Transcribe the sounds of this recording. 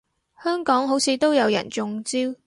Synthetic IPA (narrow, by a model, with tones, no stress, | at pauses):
hœː˥ŋkɔː˨˥ŋɦo˨˥wsʰiː˨˧t̪o˥wjɐ˨˧wjɐ̰˨˩nt͡sʊ˧ŋt͡siː˥w